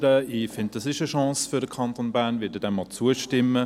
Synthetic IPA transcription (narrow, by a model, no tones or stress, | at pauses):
ɾəifɪnt̚dɑsɪʃəʃɑ̃ːsfyɾəkʰɑnt̪onbæːɐnvɪdədɛmːɔt͡suəʃtɪmːə